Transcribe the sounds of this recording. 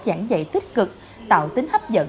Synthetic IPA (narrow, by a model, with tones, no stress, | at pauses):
t͡ɕa˧˩ŋzə̰˧˨jt̪i˦˥k̟̚kɨ˨˩k̚ | t̪a̰ː˨˩wt̪ï˨˦ŋ̟hə˦˥p̚zə̰˧˥